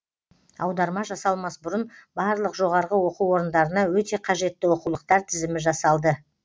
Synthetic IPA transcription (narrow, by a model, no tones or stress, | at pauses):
ɑ̰wd̪ɑɾmɑʒɑsɑlˠmɑsbʊɾənbɑɾlˠəqʒo̞ʁɑɾʁəwo̞quwo̞ɾənd̪ɑɾənɑwɵt̪e̞qʰɑʒe̞t̪ːɪwo̞quwlˠəq̚t̪ɑɾt̪ʰɪzɪmɪʒɑsɑlˠd̪ə